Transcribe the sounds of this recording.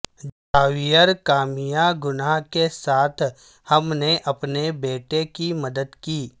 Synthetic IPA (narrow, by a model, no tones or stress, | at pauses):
d͡ʒ | aːwijəɾkaːmijaɡʊnakesaːt̪ʰ | hɐmneʔɐpnebeːʈekimɐd̪əd̪kiː